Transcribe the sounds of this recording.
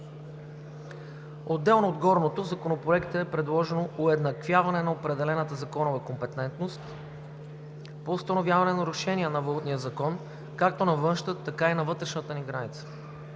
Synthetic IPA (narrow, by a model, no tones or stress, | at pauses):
od̪ːɛlˠnoːd̪ɡɔɾnot̪ozɐkonopɾoɛkt̪əːpɾɛd̪lˠɔʒɛnoʔʊɛd̪nɐkvʲjavɐnɛnɐopɾɛd̪ɛlɛnət̪əzɐkɔnovɐkompɛt̪ɛnt̪nost̪ | poːst̪ɐnovʲjavɐnɛnɐɾʊʃɛniɛnɐvlˠut̪nijəzɐkɔn | kak̚t̪onɐvɤnʃt̪ət̪ɐkainɐvɤt̪ɾɛʃnət̪əniɡɾanit̪sə̥